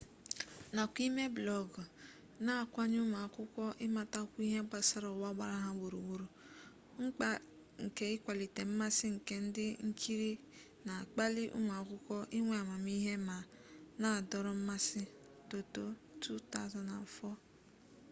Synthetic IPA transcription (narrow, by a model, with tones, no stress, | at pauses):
na˨kʷi˦me˦blɔ˦ɡ | na˦˨kʷa˦ɲ˦u˦ma˨kʷʊ˦kʷɔ˦ʔɪ˦ma˦ta˦kʷu˦i˦ɦe˦ɡ͡ba˦sa˦ɾɔ˨wa˦ɡ͡ba˦ɾa˦ɦa˦wo˨ɾu˨wo˦ɾu˨ | ŋ̩˦k͡pa˦ | ŋ̩˨ke˨ɪ˦kʷa˨li˨te˨m̩˦ma˦sɪ˦ŋ̩˨ke˨n̩˦dɪ˦ŋ̩˦kʰi˦ɾi˦ | na˨k͡pa˦li˦ʔṵ˦mʷa˨kʊ˦kʷɔ˦ʔɪ˦ŋʷe˨a˨ma˨mi˦ɦe˦ma˨ | na˦˨dɔ˦ɾɔ˨m̩˦ma˦sɪ˦ | to˨to˦tu˦ta˦˨zɔ˨na˨fɔ˦